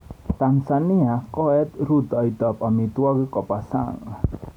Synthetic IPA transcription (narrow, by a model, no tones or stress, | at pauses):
t̪ansaniakɔɛt̪ɾut̪ɔjt̪ɔpamit̪uɔɡikɔpasa̰ŋ